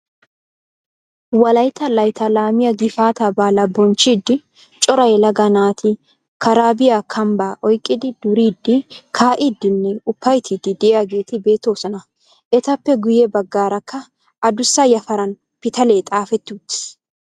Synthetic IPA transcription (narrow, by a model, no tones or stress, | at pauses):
wɐlɐjt̪ɐlɐjt̪ɐlaːmɪjɐɡɪfaːt̪ɐbaːlɐbɔnt͡ʃːid̪ːɪ | t͡ʃʼɔɾɐjlɐɡɐnaːt̪ʰɪ | kʰɐɾaːbɪjakʰɐmbaːʔɔjkʼːɪd̪ɪd̪̥ʊɾiːd̪ːɪkʰaːʔɪd̪ːɪnːɛʊpːɐjt̪ʰid̪ɪd̪ɛʔjaɡe̞ːt̪ɪbe̞ːt̪ːo̞ːsɔnɐ | ʔɛt̪ɐpːɛɡʊjɛbɐɡːaːɾɐkʰːɐ | ʔɐd̪ʊsːɐjɐfɐɾɐn | pɪt̪ɐle̞ːt̪ʼaːfɛt̪ːuːt̪ːɪ̥